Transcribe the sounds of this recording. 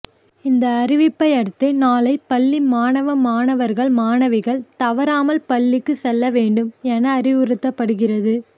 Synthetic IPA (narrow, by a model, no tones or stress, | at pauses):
ɪnd̪ɐːɾɪʋɪpːɐɪɐɽɯt̪ːɐnaːlɐɪpːɐɭːimaːnɐʋɐmːaːnɐʋɐɾɣɐɭmaːɳɐʋɐɪɣɐɭt̪ɐʋɐɾaːmɐlpɐɭːɪkːɯsɛlːɐʋeːɳɖɯmɛnɐːɾɪʋɯɾɯt̪ːɐpːɐɽɯɣɪrɐðɯ